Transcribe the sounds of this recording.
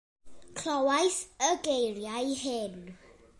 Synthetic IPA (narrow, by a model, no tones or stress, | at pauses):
kʰlɔwajθəɡejrjajhɪn